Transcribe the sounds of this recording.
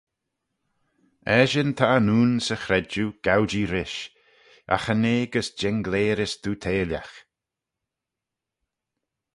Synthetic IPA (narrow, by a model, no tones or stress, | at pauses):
ɛːʒɪnt̪ʰaːnuːnsəxɾɛd͡ʒuɡ̥awd͡ʒiɾɪʃ | a̰xəneːɡəsd͡ʒɛŋɡleːɾɪsd̪̥uːt̪ʰeːlja̰x